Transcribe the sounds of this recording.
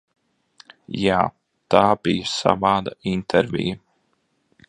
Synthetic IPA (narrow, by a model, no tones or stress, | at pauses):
jaː | t̪aːbijsa̰vɑːd̪aint̪ʰɛɾvʲḭjɐ